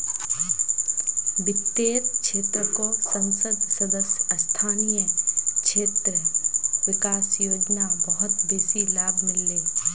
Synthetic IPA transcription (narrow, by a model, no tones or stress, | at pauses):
ʋɪt̪ːeːt̪̚t͡ʃʰeːt̪ɾəkossə̃wsəd̪səd̪əsjəst̪ʰaːnijət͡ʃʰeːt̪ɾəʋɪkaːsjoːd͡ʒnabɐɦʊt̪beːsilaːbʱmɪlːeː